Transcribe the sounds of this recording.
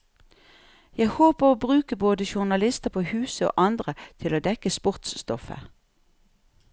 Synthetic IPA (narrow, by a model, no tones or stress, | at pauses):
jæɪhoːpəʁoːbʁʉːkəboːd̪əʃʊʁnɑlɪst̪əpʰoːhʉːsəo̰ːʔɑnd̪ʁət̪ʰɪloːd̪ɛkəspʊʁt̪sst̪ɔfə̰